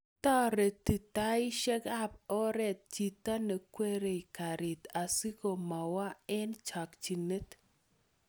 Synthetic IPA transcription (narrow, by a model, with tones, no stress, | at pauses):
t̪ɔ˦ɾe˨t̪i˨t̪a˦ɪ˦ʃɛ˦ka˦p̚ɔ˦ɾɛ˦t̪̚t͡ʃi˨t̪a˦ne˨kwe˦ɾe˨i˨ka˨ɾɪ˨t̪a˨si˦ko˨ma˨wa˦ɛ˦nt͡ʃa˨kt͡ʃi˨ne˦t̪